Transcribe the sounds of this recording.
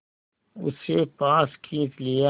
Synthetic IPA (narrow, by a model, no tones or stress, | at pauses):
ʊ̰sepaːskʰĩːt͡ʃlija